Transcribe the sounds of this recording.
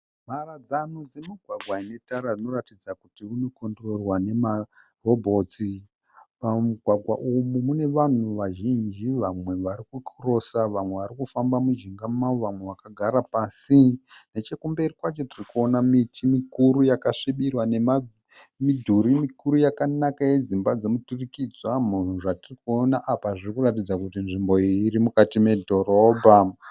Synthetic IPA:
m̤arad͡zanud͡ze̞miɡʱwaɡʱwaine̞taɾad͡zino̞ratid͡zakutiuno̞kondororwane̞ma | ro̞bʱo̞t͡si | pamuɡʱwaɡʱwa̰ʔumumune̞ʋan̤uʋaʒind͡ʒiʋamwe̞ʋaɾikukʰuro̞saʋamwe̞ʋaɾikufambamuʒiŋɡamaoʋamwe̞ʋakaɡʱaɾapaːsine̞t͡ʃe̞kumberikwat͡ʃo̞tirikuo̞namitʰimikuɾujakaʂiɓirwane̞ma | midʱuɾimikuɾujakanakaje̞d͡zimbad͡ze̞muturikid͡zwamun̤uʐatirikuonaʔapaʐirikuratid͡zakutinʐimbo̞iːɾimukatime̞dʱo̞ro̞ːbʱa

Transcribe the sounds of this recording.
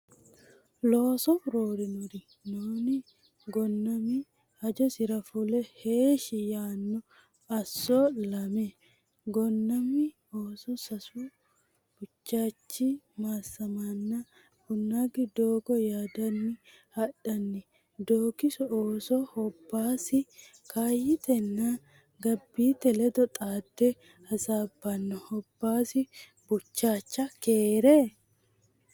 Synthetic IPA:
loːsɔɾoːɾinʊɾi | noːni | ɡɔnːɐmi | ɐd͡ʒɔsɪɾɐfulɛheːʃijaːnːɔ | ɐsːɔlɐmɛ | ɡɔnːɐmːi | oːsɔsɐsu | b̥ʊt͡ʃːaːt͡ʃːi | masɐmɐnːa | kʊnːaɡɪd̪oːɡɔjaːd̪ɐnːɪ | hɐɗɐnːɛ | d̪oːkɪsɔoːsɔhɔbːaːsɪ | kʰaːjɪt̪ɛnːa | ɡɐbːiːt̪ɛlɛd̪ɔt̪ʼaːd̪ːɛ | hɐsaːbːɐnːɔhɔbːaːsɪ | b̥ʊt͡ʃːaːt͡ʃːɐkeːɾɛ

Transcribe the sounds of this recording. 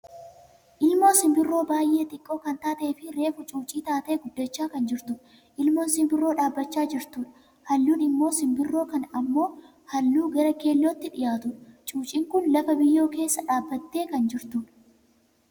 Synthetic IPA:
ʔɪlmo̞ːsɪmbɪrːo̞ːbaːjʔe̞ːt̪ɪkʼːo̞ːkɐnt̪aːt̪ɐʔeːfɪɾe̞ːfʊt͡ʃʼuːt͡ʃʼiːt̪aːt̪ɐʔɛɡʊd̪ːɐt͡ʃːaːkɐnd͡ʒɪɾt̪ʊ | ʔɪlmoːnsɪmbɪrːo̞ːᶑaːbːɐt͡ʃːaːd͡ʒɪɾt̪uːᶑ | hɐlːuːnɪmːo̞ːsɪmbɪrːo̞ːkɐnɐmːo̞ː | hɐlːuːɡɐɾɐke̞ːlːot̪ːɪᶑɪjaːt̪ʊt͡ʃʼuːt͡ʃʼiːŋkʊnlɐfɐbɪjːo̞ːke̞ːsːɐᶑaːbːɐt̪ːe̞ːkɐnd͡ʒɪɾt̪uːᶑ

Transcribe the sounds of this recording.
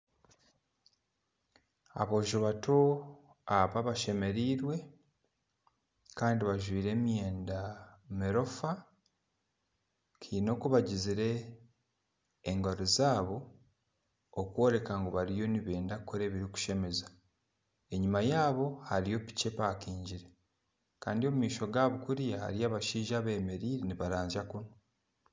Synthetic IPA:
a̰βo̞ːʒoβato̞ | aβaβaʃe̞me̞ɾiːɾwe̞ | kaːndiβaʒwiːɾe̞ːmjeːndameɾo̞fa | kʰiːno̞kuβaɟiziɾe̞ | ŋɡoɾizaːβo̞ | kwo̞ːɾe̞kaŋɡoβaɾijo̞niβeːndakukʰːo̞ɾe̞ːβiɾiku̥ʃe̞me̞za | e̞ɲimajaːβo̞haɾijo̞pi̥ce̞paːkiːɲɟiɾe̞ | kaːndio̞mumiːʃo̞ɡaːβukuɾijaha̰ɾiaːβaʃiːʒaːβe̞ːme̞ɾiːɾeniβaɾaːɲzakuno

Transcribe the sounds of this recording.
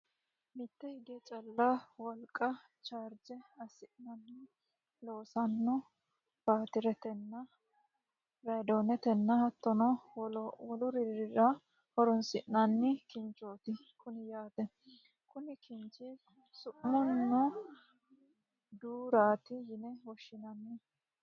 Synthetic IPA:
mɪt̪ːɛhɪɡ̪ɛt͡ʃʼɐlːɐwɔlkʼːɐ | t͡ʃaːɾd͡ʒɛɐsɪʔnɐnːɪ | lo̞ːsɐnːɔ | b̥aːt̪ɪɾɛt̪ɛnːɐ | ɾɐd̪oːnɛt̪ɛnːɐhɐt̪ːɔnɔ | wɔlʊɾɪɾɾɪɾɐ | hɔɾɔnsɪʔnɐnːɪkɪnt͡ʃʼoːt̪ɪ | kʰʊnɪjaːt̪ɛ | kʊnɪkɪnt͡ʃːɪ | sʊʔmɔnːɔ | d̪uːɾaːt̪ɪjɪnɛwɔʃːɪnɐnːɪ

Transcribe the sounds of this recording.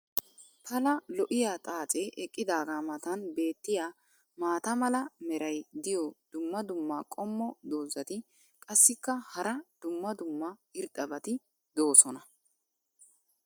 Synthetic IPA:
t̪ɐlɐlɔʔɪjaːt̪ʼaːt͡sʼeːʔɛkʼːɪd̪aːɡaːmɐt̪ɐnbe̞ːt̪ːɪjaː | maːt̪ɐmɐlɐmɛɾɐjd̪ɪjɔd̪̥ʊmːɐd̪ʊmːaːkʼɔmːɔd̪oːzɐt̪ɪ | kʼɐsːɪkːɐhɐɾɐd̪̥ʊmːɐd̪ʊmːɐɪɾd̪ɐbɐt̪ɪ | d̪o̞ːsɔnɐ

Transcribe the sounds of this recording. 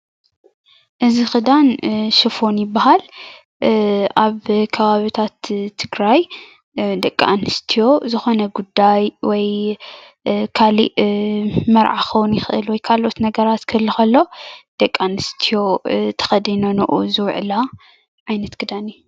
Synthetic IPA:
ʔɨzixɨd̪anʃɨfo̞njɪbːaɦal | ʔaβkʰɐβaβit̪ʰat̪ʰːɨɡɾaj | d̪ɐkʼːaanɨst̪ʰijo̞zɨxo̞nɐɡud̪ːajwɔj | kʰalḭʔ | mɐɾʕa̰xʰɐwunjɪxʔɨ̰lwɔjkʰalʔot̪nɐɡɐɾat̪kʰɨlːɨxɐlːo̞d̪̥ɐkʼːanɨst̪ʰijo̞t̪ʰɐ̥xɐd̪inonɨ̰ʔuzɨwʕ̰la | ʕajnɐt̪kʰɨd̪anu

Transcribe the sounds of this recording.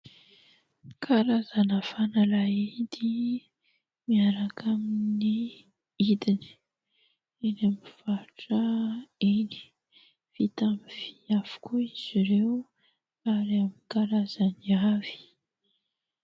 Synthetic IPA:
kʰaɾazanafanalaid̪i | miaɾakʰamini | id̪ini̥ | enamiv̥aʈ͡ʂəeni̥ | v̥it̪amiv̥iafu̥kuiz̥iɾew | aɾiaminkaɾazaniavi̥

